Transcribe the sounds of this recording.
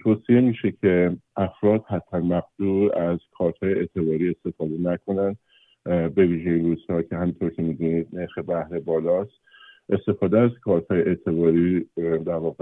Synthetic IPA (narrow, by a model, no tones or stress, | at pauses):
t̪ʰoːsie̞miːʃecʰe̞ʔæfɾɒːd̪̥hæt̪ʰːænmæɣd̪̥uːɾæz̥kʰɒːɾt̪hɒːjeʔeːt̪ʰe̞bɒːɾiːe̞st̪e̞fɒːd̪e̞nækʰo̞nænd̪̥ | be̞viːʒeinruːz̥hɒːcʰehæmint̪ʰo̞ɾcʰe̞miːd̪uːnid̪neɾxe̞bæhɾebɒːlɒːst̪ | ʔe̞st̪e̞fɒːd̪eæz̥kʰɒːɾt̪hɒːjeʔeːt̪ʰe̞bɒːɾiːd̪æɾvɒːɣe